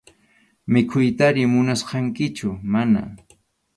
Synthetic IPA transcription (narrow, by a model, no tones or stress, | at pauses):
mɪkʰʊjt̪aɾɪmʊnasqɑŋkɪt͡ʃʊmana̰